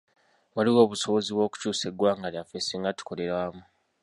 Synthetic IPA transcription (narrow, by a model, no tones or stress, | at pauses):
βwaliwo̞ːβuso̞βo̞ziβwo̞ːku̥cuːseɡwaːŋɡaljafesiŋɡatu̥ko̞le̞ɾwaːmu